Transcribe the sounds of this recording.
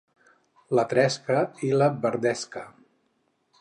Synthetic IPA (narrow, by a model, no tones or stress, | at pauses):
lət̪ɾɛskəiləbəɾd̪ɛskə